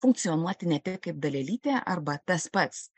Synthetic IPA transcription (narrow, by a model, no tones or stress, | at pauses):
fʊŋkt̪sionuɔt̪ʲɪnʲɛt̪ʲɪkɐɪp̚d̪ɐlʲɛlʲiːt̪ʲɛʔɐ̰ɾbɐt̪ɐspɐt̪s